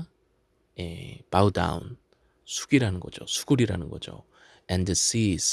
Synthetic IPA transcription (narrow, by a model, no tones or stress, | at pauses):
epauda̰ṵn | sʰu̥ɡiɾanɯnɡʌd͡ʑo̰sʰu̥ɡ̥uɾiɾanɯnɡʌ̰d͡ʑo̰ | ɛ̃ndəsis